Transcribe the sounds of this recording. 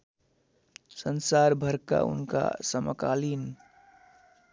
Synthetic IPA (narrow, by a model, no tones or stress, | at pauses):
sənsaɾbʱəɾka̰ṵnka̰səməkalin